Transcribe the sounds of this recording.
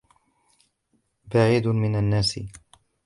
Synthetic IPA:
baʕiːd̪mɪnanːaːsɪ̰

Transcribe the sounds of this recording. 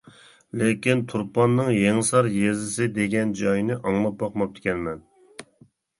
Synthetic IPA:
lɪkʲint̪ʰuɾpɑnːɨŋjeŋsɑɾjezɪsɪd̪eɡʲɛnd͡ʒɑjinɪʔɑŋlˠɑp̚bɑqmɑp̚t̪ʰɪ̥kʲɛnmɛn

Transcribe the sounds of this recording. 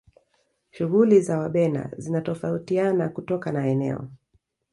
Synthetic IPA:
ʃuɣulizawaɓɛna̰zinatɔfautianakutɔkanaɛnɛ̰ɔ̰

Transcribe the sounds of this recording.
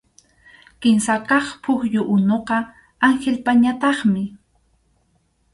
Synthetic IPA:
kɪnsakɑχpʰʊxjʊʔʊnoqɑ | aŋxelpaɲat̪ɑχmɪ

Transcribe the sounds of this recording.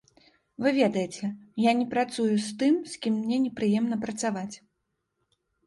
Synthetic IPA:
vɨvʲɛd̪ɐjet͡sʲɛjanʲɛpɾat̪sujust̪ɨmskʲimːnʲɛnʲɛpɾɨjɛmnɐpɾɐt̪savat͡sʲ

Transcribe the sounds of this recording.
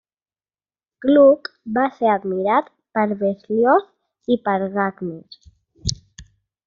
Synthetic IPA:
klukbaseɾad̪miɾat̪ | pəɾβesljos | ipəɾɣakmis

